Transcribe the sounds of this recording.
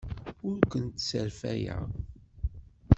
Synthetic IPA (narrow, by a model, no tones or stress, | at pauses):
ʊɾkʷənt̪səɾfæjæ̰